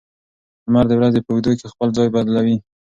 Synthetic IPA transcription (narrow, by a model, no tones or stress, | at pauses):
maɾd̪əwɾazepəwd̪okexpəlzɑjbad̪lawi